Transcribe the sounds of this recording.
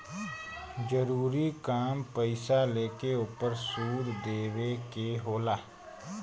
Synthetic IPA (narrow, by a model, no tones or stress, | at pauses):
d͡ʒəɾuːɾikaːmpəɪsaleːkeʊpəɾsuːɽd̪eːwekeɦoːlaː